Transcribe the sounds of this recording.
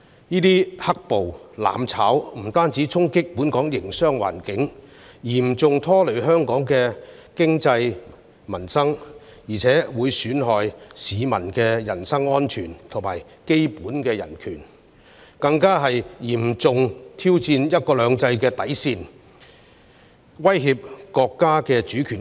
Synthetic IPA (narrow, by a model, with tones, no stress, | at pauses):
niː˥t̪iː˥hɐ˥k̚po˨wla̰ː˨˧mt͡sʰaː˨˥wm̩˨˩t̪aː˥nt͡siː˨˥t͡sʰʊ˥ŋkɪ˥k̚pu˨˥nkɔː˨˥ŋjɪ˨˩ŋsœː˥ŋwa̰ː˨˩nkɪ˨˥ŋ | jiː˨˩mt͡sʊ˨ŋt̪ʰɔː˥lɵ˨˩ɥɦœː˥ŋkɔː˨˥ŋkɛː˧ | kɪ˥ŋt͡sɐ˧j | mɐ˨˩nsɐ˥ŋ | jiː˨˩t͡sʰɛː˨˥wuː˨˧jsyː˨˥nɦɔː˨jsiː˨˧mɐ˨˩nkɛː˧jɐ˨˩nsɐ˥ŋɔː˥nt͡ʃʰyː˨˩nt̪ʰʊ˨˩maː˨˩j | ke˥jpuː˨˥nkɛː˧jɐ̰˨˩nkʰyː˨˩n | kɐ˧ŋkaː˥ɦɐ˨jjiː˨˩mt͡sʊ˨ŋt̪ʰiː˥wt͡siː˧njɐ˥t̚kɔː˧lœː˨˧ŋt͡sɐ˧jkɛː˧t̪ɐ˨˥jsiː˧n | wɐ˥jɦiː˧p̚kɔː˧kːaː˥kɛː˧t͡ʃyː˨˥kʰy˨˩